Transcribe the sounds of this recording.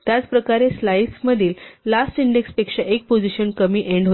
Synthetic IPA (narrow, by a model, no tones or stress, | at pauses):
t̪jat͡spɾəkaɾeslajsməd̪ʱiːlːasʈiɳɖekspekʂaʔek̚pod͡ziɕənkəmiːʔeɳɖɦo